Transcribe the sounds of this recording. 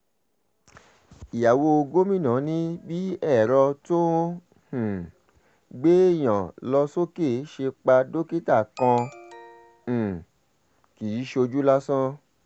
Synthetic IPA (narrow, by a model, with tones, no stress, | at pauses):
i˨ja˨wo˧o˧ɡo˦mĩ˦˨nãː˨˦nĩ˦bi˦ɛ˦˨ɾɔ˧to˦ | h̩˨ | ɡ͡be˦˨j̃ã˨lɔ˧so˦ke˦˨˦ʃe˧k͡pa˧do˦ki˦ta˦˨kɔ̃˧˨ | ki˨i˨˦ʃo˧d͡ʒu˦la˦sã˦